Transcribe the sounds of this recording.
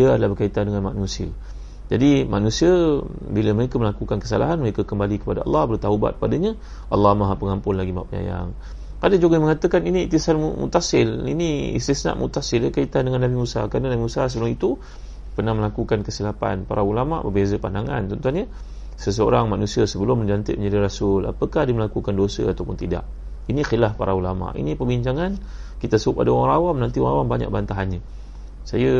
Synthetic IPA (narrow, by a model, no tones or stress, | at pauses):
iəadalahbərkait̪andəŋanmaʔnusɪ̰ | d͡ʒadima̰nusiə | biləməɾekəməlakukankəsa̰la̰ɦanməɾekəkəmbalikə̥padaɑ̰lːɑhbərt̪auba̰t̪̚padəɲa | ʔɑlːɑhmaɦapəŋampʊnlaɡimap̚ɲa̰ja̰ŋ | kadad͡ʒuɡəməŋat̪əkaniniit̪isanmumṵt̪asɪlḭniḭst̪isna̰ʔmʔṵt̪asɪləkait̪andəŋanːabimusa̰kɾanənabimusas̬əbəlʊŋit̪u | pərnahməlakukankəsilapa̰npa̰ɾaulama̰ʔbəbezəpandaŋa̰nt̪ɔnt̪uanɲə | səs̬əo̰ɾaŋmanusiasəbəlʊmːəɲd͡ʒant̪ɪ̰ʔməɲd͡ʒadiɾasʊla̰pəkahdəməlakukandosə̰a̰t̪awpʊnt̪ida̰ʔ | inixilahpaɾaula̰ma̰ʔḭnipəbiɲt͡ʃaŋan | kit̪asəʊpa̰dawaɾawamnant̪iwãawambaɲa̰ʔ̚bant̪aɦanɲə | sajə